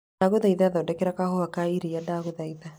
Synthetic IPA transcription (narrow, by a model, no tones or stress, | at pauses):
aɣoðaiðaðaodɛkɛɾakahoakaiɾijadaɣoðaiða